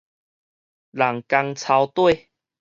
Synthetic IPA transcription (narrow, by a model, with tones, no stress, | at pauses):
la˨˩ŋka˧ŋt͡sʰa˧wt̪we˥˧˨